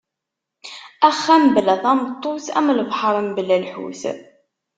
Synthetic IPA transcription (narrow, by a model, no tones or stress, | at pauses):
æχːæmblæθɑmt̪ˤːoθæ̰mləvħəɾˤəmblːælħṵθ